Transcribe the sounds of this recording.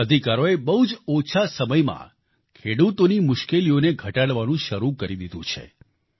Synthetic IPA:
əd̪ʱikaɾoebəɦud͡ʒot͡ʃʰasəməjmã̰ | kʰeɽut̪onimʊʃkelioneɡʱəʈaɽʋanũʃəɾukəɾid̪id̪ṵ̃t͡ʃʰḛ

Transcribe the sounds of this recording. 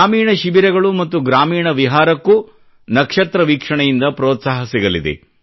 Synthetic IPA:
aːmiːɳɐʃibiɾɛɡɐɭumɐt̪ːuɡɾaːmiːɳɐʋiɦaːɾɐkːu | nɐkʂɐt̪ɾɐʋiːkʂɐɳɐjind̪ɐpɾɔːt̪saːɦɐsiɡɐlid̪ḛ

